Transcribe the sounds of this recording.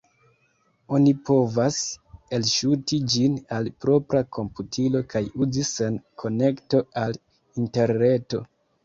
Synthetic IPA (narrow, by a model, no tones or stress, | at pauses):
o̞nipo̞vase̞lʃutid͡ʒinalpɾo̞pɾakʰo̞mputʰilo̞kajuzise̞nkʰo̞ne̞kto̞al | inte̞ɾne̞to̞